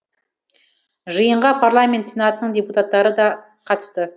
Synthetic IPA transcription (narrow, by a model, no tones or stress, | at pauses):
ʒəjəɴʁɑpʰarlˠamʲe̞nt̪senɑt̪ənəɴd̪ʲeput̪at̪ːɑɾəd̪ɑ | qʰɑt̪ə̥st̪ə